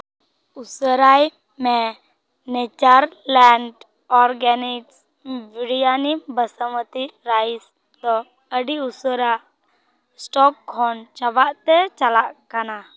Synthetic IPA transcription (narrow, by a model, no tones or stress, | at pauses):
usəɾaj | mɛ | nɛt͡ʃaɾlaɳɖ | ɔɾɡaniks | biɽijanibəsəmət̪iɾajs | d̪ɔ | əɖiusəɾaʔ | sʈɔk̚ːʰɔnt͡ʃabaʔt̪ɛt͡ʃalaʔkana